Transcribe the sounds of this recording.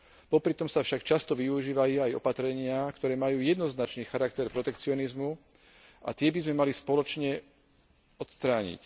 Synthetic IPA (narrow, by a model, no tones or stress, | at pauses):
pɔpɾit̪ɔmsafʃakt͡ʃast̪ɔʋiuʒiːʋajuajɔ̰pat̪ɾɛɲɪakt̪ɔɾɛːmajuːjɛd̪nɔznat͡ʃniːxaɾakt̪ɛɾpɾɔt̪ɛkt͡siɔnizmu | ʔa̰t̪ɪɛbizmɛmalispɔlɔt͡ʃɲɛ | ɔt̪st̪ɾaːɲḭc